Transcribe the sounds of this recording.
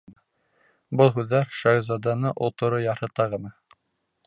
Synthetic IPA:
bɤlˠɦʉðːæɾʃæɣzɑd̪ɑnɤʔŏlˠt̪ŏɾojɑɾhɤt̪ɑʁɤ̆nɤ

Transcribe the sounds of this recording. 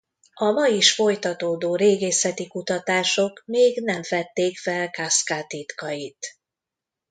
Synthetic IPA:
ɒmɒjiʃfo̞jt̪ɒt̪oːd̪oːɾeːɡeːsɛt̪ikut̪ɒt̪aːʃo̞kmeːɡnɛɱfɛt̪ːeːkfɛlkaskaːt̪it̪kɒjit̪

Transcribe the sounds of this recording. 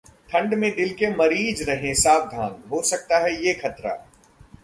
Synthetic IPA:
t̪ʰɐ̃ɳɖmẽɗ̪ɪlkemɐɾiːzɾɐɦẽsaːfd̪ʱã̰ːŋɡɦoːsɐk̚t̪aɦɛjeːxɐt̪ɾa̰ː

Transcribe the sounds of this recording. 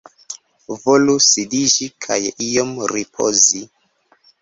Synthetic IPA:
volusidid͡ʒikʰajijomɾipʰo̰zi

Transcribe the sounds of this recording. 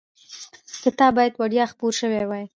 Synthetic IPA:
kət̪ɑbɑjad̪waɽjɑxpoɾʃəwewɑj

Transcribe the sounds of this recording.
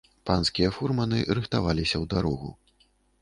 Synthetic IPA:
panskʲijɐfurmɐnɨɾɨxt̪avalʲisʲɐwd̪aɾɔɣṵ

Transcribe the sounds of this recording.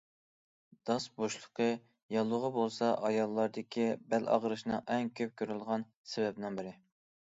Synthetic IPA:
d̪̥ɑsboʃlˠə̥qʰə | jɑlˠːʊʁəbolˠsɑʔɑjɑlˠːɑɾd̪ɨkʲʰibælʔɑ̰ʁɾɨʃnɨŋʔɛŋkʲʰøp̚kʲʰøɾylˠʁɑn | sevɛbnɪŋbɪɾɪ

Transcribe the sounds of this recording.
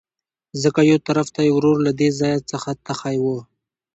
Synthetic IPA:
zəkajowt̪aɾaft̪ajawɾoɾlad̪ezɑjat͡səxat̪axajwə

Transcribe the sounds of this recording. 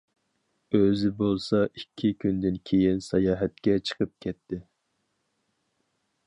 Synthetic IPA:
øzɪbolˠsɑʔikʲʰːikʲʰynd̪ɪnkʲʰejinsɑjɑːɦɛt̪kʲɛt͡ʃʰə̥qʰəp̚kʲʰɛt̪̚ʰːɪ

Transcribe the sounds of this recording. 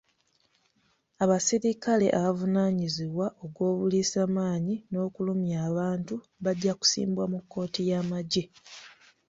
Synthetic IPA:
aβasiɾikale̞̰ʔaβavunaːɲiziβwaʔo̞ɡwo̞ːβuliːsaːmaːɲino̞ːkulumjaːβaːntu | βaɟːaku̥sḭːmbwamukːo̞ːtijamaɟe

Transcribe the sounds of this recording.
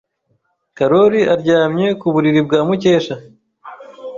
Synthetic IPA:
kaɾo̞ɾiaɾɟaːmɲe̞kuβuɾiɾib̚ɡaːmuce̞ːʃa

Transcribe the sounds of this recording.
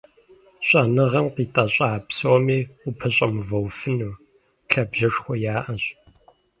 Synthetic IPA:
ɕʼɐnɨʁɐmqiːtʼɐɕʼaːpsoːmiːupʰɐɕʼɐmɨvɐwfɨnuː | ɬɐbʒɐʂxʷɔjaːʔɐɕ

